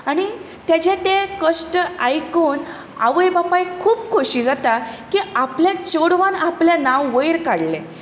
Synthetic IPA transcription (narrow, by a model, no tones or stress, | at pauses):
aɽ̃i | t̪jat͡ɕet̪ekəʂʈəajkon | a̰ʋəjbapajkʰuːpkʰoɕiːd͡zat̪akiapljat͡ɕoɽʋanapljanãwːəjɾkaɽle